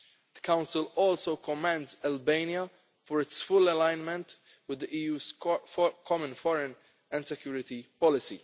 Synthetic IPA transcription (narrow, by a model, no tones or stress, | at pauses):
d̪əkãʊ̃nsɪlɔːlsowkʰɔmæ̃ndzælbẽɪnja | fɔɾɪtsfʊlɛlãɪ̃nmɛ̃nt̪ | wɪd̪ːəʔiːjuːz̥ | kʰɔmə̃nfɔɾɛ̃n | ɛ̃nd̪sɛkjuːɾɪt̪ipɔlɪsḭ